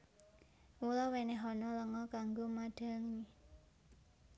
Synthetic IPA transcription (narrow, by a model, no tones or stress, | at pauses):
wulɔweneɦɔnɔləŋɔkaŋɡomaɖ̥a̤ŋɲi